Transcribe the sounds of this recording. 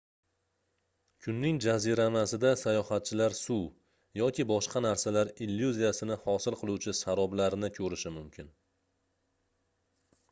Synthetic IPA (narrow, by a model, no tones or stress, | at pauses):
kʰʊnːɪŋd͡ʒaziɾanasɪd̪asajɒhat̪̚t͡ʃʰɪlaɾsu | jɒkʲɪbɒʃqɑnaɾsalaɾilːjuzijasɪnɪhɒsɪlˠqʰɨlˠuwt͡ʃʰɪsaɾɒblaɾɪnɪkʲʰɵɾɪʃɪmʊmkʲʰɪn